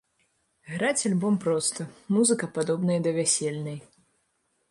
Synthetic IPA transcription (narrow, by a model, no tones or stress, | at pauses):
ɣɾat͡sʲalʲbɔmpɾɔst̪ɐmuzɨkɐpad̪ɔbn̪ɐjɐd̪ɐvʲasʲelʲnɐj